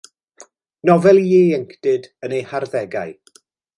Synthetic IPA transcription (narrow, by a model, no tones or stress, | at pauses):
nɔvɛlˠjeːɛŋkʰd̥ɨdənejharðɛɡa̰ɨ